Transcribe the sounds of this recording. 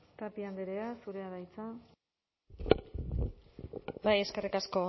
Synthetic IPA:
t̪apiand̪eɾeasuɾe̞aðajt͡sa | baje̞ske̞rikasko̞

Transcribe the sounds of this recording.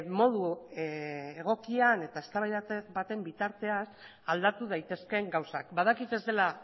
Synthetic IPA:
mo̞ð̞u | eɣ̞o̞kiane̞t̪ae̞st̪aβajðbat̪e̞mbit̪aɾt̪e̞as | ald̪at̪uð̞ajt̪e̞ske̞ŋɡawsakbað̞akit̪e̞zd̪e̞la

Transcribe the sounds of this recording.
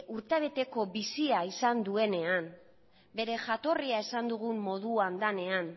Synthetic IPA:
ʔuɾt̪eβ̞e̞t̪e̞ko̞βisiaisand̪ue̞ne̞an | be̞ɾe̞ʝat̪o̞riae̞sand̪uɣ̞umːo̞ð̞uand̪ane̞an

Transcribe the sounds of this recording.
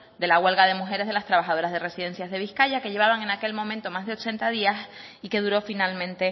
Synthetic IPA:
d̪e̞laɣwe̞lɣaðe̞muxe̞ɾe̞zðelast̪ɾaβ̞axað̞o̞ɾazð̞e̞re̞siðe̞nsjazð̞e̞βihkaʎake̞ʎe̞β̞aβaŋe̞nake̞lmomẽnt̪omazðeot͡ʃe̞nt̪að̞ias | ike̞ðuɾo̞finalmẽnt̪e̞

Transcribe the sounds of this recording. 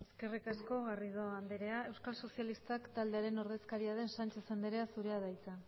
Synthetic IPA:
eske̞rikasko̞ɣarið̞o̞and̪eɾe̞ae̞wskalso̞sialist̪akt̪ald̪e̞aɾe̞no̞ɾð̞e̞skaɾiaðe̞nsant͡ʃasend̪eɾe̞asuɾe̞að̞ajt͡sa

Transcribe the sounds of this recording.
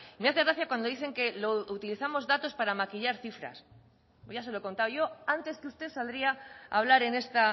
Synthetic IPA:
imeaθe̞ɣɾaθjakwand̪oðiθe̞ŋke̞lout̪iliθamo̞zðat̪o̞spaɾamakiʎaɾθifɾa̰s | ʝase̞lo̞eko̞nt̪awʝo̞ant̪e̞skeust̪e̞sald̪ɾiaa̰β̞laɾe̞ne̞st̪a

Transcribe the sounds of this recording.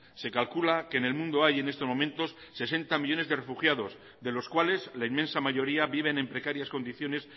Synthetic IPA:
se̞kalkulakeːne̞lmũnd̪oaje̞ne̞st̪o̞mo̞mẽnt̪o̞sːe̞se̞nt̪amiʎo̞ne̞zðe̞re̞fuxjaðo̞z | d̪e̞lo̞skwale̞zlainmensamaʝo̞ɾiaβiβ̞e̞nẽ̞mpɾe̞kaɾjasko̞nd̪iθjo̞ne̞s

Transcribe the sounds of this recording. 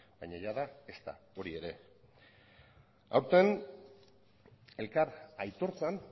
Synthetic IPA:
ba̰jɲaʝaðae̞st̪a̰o̞ɾie̞ɾe̞ | awɾt̪e̞n | e̞lkaɾajt̪o̞ɾt͡san

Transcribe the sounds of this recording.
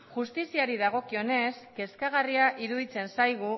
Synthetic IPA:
ʝust̪isiaɾiðaɣ̞o̞kio̞ne̞ske̞skaɣ̞ariaʔiɾuðit͡se̞nsajɣ̞u

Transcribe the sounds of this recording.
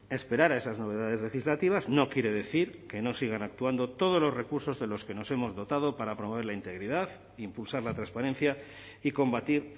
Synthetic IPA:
e̞spe̞ɾaɾae̞sazno̞βe̞ðað̞e̞zle̞xizlat̪iβ̞azno̞kje̞ɾe̞ðe̞θiɾke̞no̞siɣ̞anak̚t̪uand̪o̞t̪o̞ð̞o̞zlo̞zre̞kuɾso̞zðe̞lo̞ske̞no̞se̞mo̞zðo̞t̪að̞o̞paɾapɾomo̞β̞eɾlaint̪e̞ɣɾiðað | impulsaɾlat̪ɾãnspaɾe̞n̟θja | iko̞mbat̪iɾ

